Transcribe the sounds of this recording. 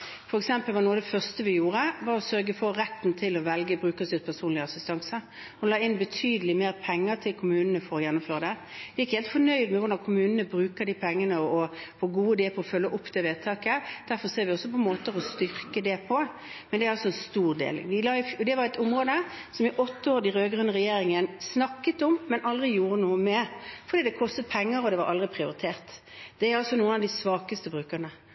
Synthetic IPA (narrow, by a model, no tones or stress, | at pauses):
fɔɾɛksɛmpəlʋɑnuːəd̪ɛfœʁst̪əʋɪjuːɾəʋɑɾɔsœɾɡəfɔɾɛt̪ːn̩t̪ʰɪlɔʋɛlɡəbɾʉːkəsɪʁpʰæʁsuːnlɪəɑsɪst̪ɑŋsə | hʊnlɑːɪnbət̪ʰyːd̪əlɪmeːɾpʰɛŋːəɾt̪ʰɪlkʰʊmʉːnənəfɔɾɔjɛnːʊmføːɾəd̪ɛʋɪjɪkheːlt̪fɔnœʏd̪mɛʋʊɾd̪ɑnkʰʊmʉːnənəbɾʉːkəɾd̪iːpʰɛŋːənəɔfɔɡuːəd̪eːpʰɔːfœlːəʔɔpːd̪ɛʋeːt̪ʰɑːkəd̪̥æɾfɔɾseːɾʋɪɔsːɔpʰɔmoːt̪əɾɔst̪ʏɾkəd̪ɛpʰɔ | mɛnd̪ɛæɾɑlsɔɛnst̪uːʁd̪ḛːl̰ʋɪlɑːʊɔd̪ɛʋɑɾɛt̪ʊmʁoːd̪ə | sɔmjɪʔɔt̪ːəoːɾd̪ɪɾøːɡɾʉnːəʁɛjeːɾɪŋənsnɑkːət̪ɔmːɛnʔɑld̪ɾɪjuːɾənuːəmɛfɔɾd̪iːd̪ɛkʰɔst̪ət̪̚pʰɛŋːəɾɔd̪ɛʋɑɾʔɑld̪ʁɪpʰɾɪʊɾɪt̪ʰeːɾt̪ | d̪̥ɛæɾɑlsɔnuːənɑʋd̪ɪsʋɑːkəst̪əbɾʉːkəʁnə